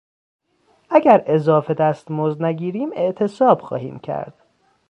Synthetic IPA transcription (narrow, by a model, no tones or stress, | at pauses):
ʔæɟæɾʔe̞zɒːfe̞d̪æst̪mozd̪næɡiːɾiːme̞ʔt̪ʰe̞sɒːb̥xɒ̰ːhḭːmcʰæ̰ɾd̪̥